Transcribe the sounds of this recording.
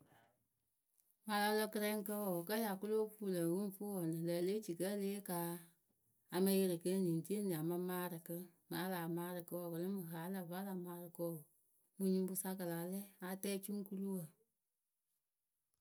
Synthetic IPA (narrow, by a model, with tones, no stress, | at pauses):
ma˨la˧˦lɔ˧kɨ˦ɾɛ˦ŋ˦kə˦wɔ˨kə˦ja˨ku˦lo˦fu˦˨lə˨wu˦fu˦wɔ˨nɨ˨lə˨le˦t͡ʃi˨kə˦leː˦kaː˨˦ | a˧ma˧˦je˦ɾɨ˨kə˦ni˨n˨ti˦e˦n˨a˨ma˦maː˦ɾɨ˨kə˦ma˨˦laː˨maː˦ɾɨ˨kə˧˦wɔ˨kə˨lɨ˦mɨ˨ɦa˨˦lə˨va˦la˨maː˦ɾɨ˨kɔ˦˨ | mu˦ɲi˦m˦bu˦sa˦kə˨la˨lɛ˦a˨˦tɛː˦t͡ʃu˦ŋ˦ku˦lu˦wə˨